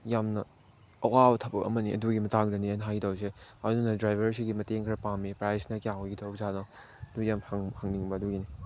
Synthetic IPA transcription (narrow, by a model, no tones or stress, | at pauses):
jamnɐ | ɐwabɐtʰɐpɐkɐ̰mɐniʔɐ̰duɡimɐtaŋdɐniɐnɦajɡtawseanunɐdɾajbʱɐɾs̬ʰiɡimɐteŋkʰɾɐpamipɾajsnɐkjaŋɡitʰɐwzanɐ | ɐdujamhaŋhaŋniŋbɐːduɡini